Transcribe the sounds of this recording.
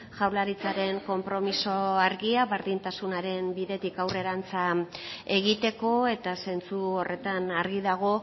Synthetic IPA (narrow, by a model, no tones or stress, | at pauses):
ʝawlaɾit͡saɾe̞ŋko̞mpɾo̞miso̞aɾɣiaβe̞ɾðint̪asunaɾe̞mbiðe̞t̪ikawre̞ɾant͡sae̞ɣit̪e̞ko̞e̞t̪ase̞nt͡suore̞t̪anaɾɣiðaɣ̞o̞